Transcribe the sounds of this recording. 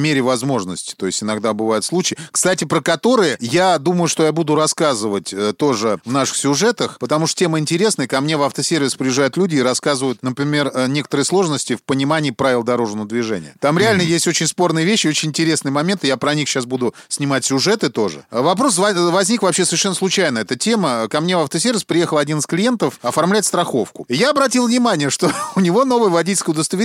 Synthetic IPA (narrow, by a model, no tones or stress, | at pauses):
mʲeɾʲɪvɐzmo̞ʐnəsʲtʲɪ̥t̪o̞jɪsʲɪnɐɡd̪abɨvajɪt̪slˠut͡ɕɪːkst̪atʲɪpɾəkɐt̪o̞ɾɨjəjad̪uməjʊʂt̪o̞jabud̪ʊɾɐskazɨvətʲət̪o̞ʐɨvnaʂɨ̥xsʲʊʐɛt̪əxpət̪ɐmuʂt̪tʲemɨɪnʲtʲɪɾʲe̞snəjəkɐmnʲe̞vaft̪əsʲervʲɪspɾʲɪɪʐajʊt̪lʲudʲɪːɾɐskazɨvəjʊt̪nəpɾʲɪmʲe̞rnʲe̞kət̪əɾɨjəslˠo̞ʐnəsʲtʲɪfpənʲɪmanʲɪːpɾavɪlˠəd̪ɐɾo̞ʐnəvəd̪vʲɪʐɛ̰nʲɪjə̰t̪amɾʲɪalʲnəjesʲtʲo̞t͡ɕɪnʲspo̞rnɨjəvʲeɕːɪot͡ɕɪnʲɪnʲtʲɪɾʲe̞snɨjəmɐmʲe̞nt̪ɨjapɾɐnʲixɕːasbud̪ʊ | sʲnʲɪmatʲsʲʊʐɛt̪ɨt̪o̞ʐɨ̰vɐpɾo̞svɐvɐzʲnʲikvɐpɕesəvʲɪrʂɛnːəslˠʊt͡ɕæjnəɛt̪ətʲe̞məkɐmnʲe̞vaft̪əsʲervʲɪspɾʲɪje̞xəlˠɐdʲinɨsklʲɪje̞nt̪əfɐfɐrmlʲætʲst̪ɾɐxo̞fkʊjaɐbɾɐt̬ʲilˠvnʲɪmanʲɪjəʂt̪o̞ʊnʲɪvo̞no̞vəjəvɐdʲitʲɪlʲkəjʊd̪əst̪əvʲɪ